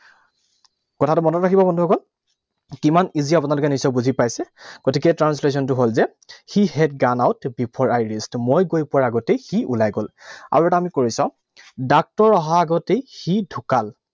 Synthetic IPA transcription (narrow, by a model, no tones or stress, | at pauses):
kɔtʰatʊmɔnɔtɹakʰibɔbɔndʱuɦɔkʰɔl | kimaniziap̬ʊnalʊkɛnisɔbuzʱipajsɛɡ̥ɔtʰik̬ɛtɹansles̬ɔntʊɦolzɛ | xihɛt̚ɡanawtbipʰɔɹajɹistmojɡojpɔɹaɡɔtejxiʔulajɡola̰ɹuɛtaamikoɹisãʊ̃ | dak̚tɔɹɔɦaːɡɔtejxidʱukal